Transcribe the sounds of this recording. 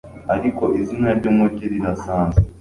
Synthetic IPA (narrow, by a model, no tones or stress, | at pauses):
aɾiko̞izinaɾɟomoceɾiɾasaːnze